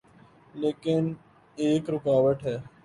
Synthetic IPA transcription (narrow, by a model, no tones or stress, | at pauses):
leːkɪn | eːkɾʊkaːʋəʈɦɛː